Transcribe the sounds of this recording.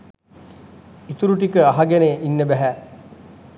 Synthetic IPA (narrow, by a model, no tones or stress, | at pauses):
it̪uɾuʈ̬ikəaɦaɡeneʔinːəbæɦæ